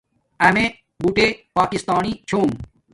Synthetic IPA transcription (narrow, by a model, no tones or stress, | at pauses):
ɐmẽ | buʈeːpaːkist̪aːnit͡ɕʰoːm